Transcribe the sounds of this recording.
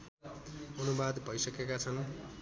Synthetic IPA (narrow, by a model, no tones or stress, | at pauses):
ʌnubad̪bʱʌjsʌkekat͡sʰʌn